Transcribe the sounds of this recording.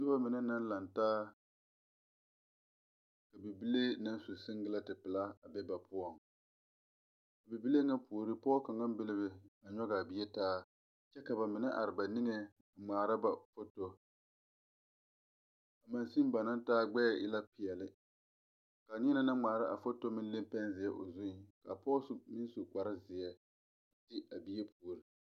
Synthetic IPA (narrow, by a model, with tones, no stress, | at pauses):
ʊ˦ba˦mɪ˨nɛ˦na˦n˦la˨ntaː˦ | ka˨bɪ˨bi˦le˦na˦n˦sʊ˨sɨ˦ŋɡɪ˦la˦tɪ˨pɪ˨la˦a˨bɛ˦ba˨pʊ˦ɔ˦˨ŋ | a˨bɪ˨bi˦le˦ŋa˦pʰo˨ɾɨ˦pɔ˦ɔ˦ka˨ŋa˦m˦bɪ˦lɪ˦bɪ˨a˨ɲɔ˦ɡa˨bɪ˨jɛ˦taː˦ | t͡ʃɛ˦ka˨ba˨mɪ˨nɛ˦ʔa˨ɾɪ˨ba˨nɪ˦ŋe˦ | a˨ŋ͡maː˨ɾa˦ba˨fo˦to˦ | a˨ma˨nsi˦m˦ba˨na˦ntaː˦ɡ͡bɛ˦ɛ˨ʔɪ̰˦la˦pɪ˨ɛ˨lɪ˦ | ka˨ɲi˦na˦na˦ŋ͡maː˨ɾa˦ʔa˨fo˦to˦mɪ˦n˦lɪ˦mpɛ˦nzɪ˨ɛ˦ʔo̰˨zu˦˨ka̰˨pɔː˦sʊ˨mɪ˦n˦so˨k͡pa˨ɾɪ˦zɪ˨jɛ˦ | tɪ˦a˨bi˦jɛ˦pʰu˨o˨ɾi˦